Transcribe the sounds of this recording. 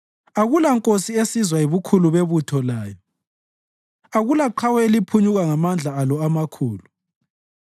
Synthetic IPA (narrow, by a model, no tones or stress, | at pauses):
aɣulaŋkʼosiesizwajiβukʰuluβeβutʰɔlaːjɔ | aɣulaǃʰawɛelipʰuɲuɣaŋamand͡ɮʱaːlɔamakʰuːlu